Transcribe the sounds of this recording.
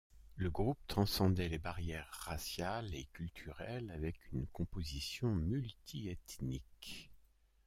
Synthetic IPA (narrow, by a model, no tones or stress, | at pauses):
ləɡʁup̚t̪χɑ̃sɑ̃d̪ɛlebaʁjɛʁːasjalekʲylt̪ʰyʁɛlavɛkynkɔ̃pozisjɔ̃mylt̪ʰiɛt̪nik